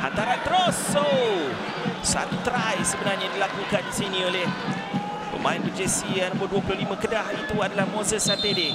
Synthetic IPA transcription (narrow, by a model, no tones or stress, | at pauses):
ha̰nt̪aɾant̪əɾoso | sa̰t̪ut̪ɾajsəbənarɲãdilakukansinĩoleh | pə̰mã̰ɪnbəd͡ʒesianə̃mboduəp̬ulʊhlimə̃kədahit̪uadalahmõsəsat̪ede